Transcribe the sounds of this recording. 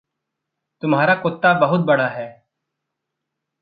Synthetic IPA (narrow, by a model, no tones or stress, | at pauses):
t̪ʊmɦaːɾakʊt̪ːabɐɦʊt̪̚bɐɽ̃aɦɛː